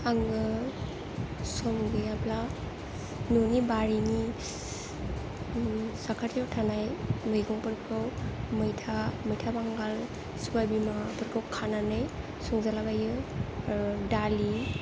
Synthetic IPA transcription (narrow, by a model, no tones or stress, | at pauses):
aŋɡɯ | sɔmɡeapla | nonibaɾini | sakʰatjawtʰanajmɯjɡɔŋpɯɾkʰɯwmɯjtʰamɯjtʰabaŋɡal | subajbimapɯɾkʰɯwkʰananɯj | sɔŋzalaɡajɯ | dali